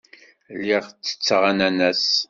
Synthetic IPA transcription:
lːiʁt͡sːə̥t͡sːʁanænæs

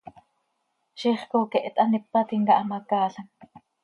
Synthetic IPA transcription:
ʃiːχkoːkɛʔt̪ʔɑnipːɑt̪iŋkɑʔɑmɑkɑːɬɑŋ

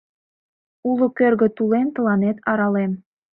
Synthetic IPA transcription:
ulŏkørɣə̆t̪ulent̪ə̆lɑnet̪ɑɾɑlem

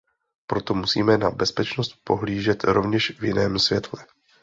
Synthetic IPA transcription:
pɾot̪o̞musiːmɛnabɛspɛt͡ʃnost̪̚po̞ɦliːʒɛt̪ɾovɲɛʃvjɪnɛːmsvjɛt̪lɛ

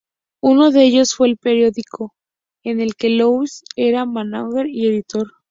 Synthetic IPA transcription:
uno̞ðeeʝo̞sfwe̞ːlpeɾjo̞ðikʰo̞ | enelke̞lowise̞ɾamanaɣeɾie̞ðit̪o̞ɾ

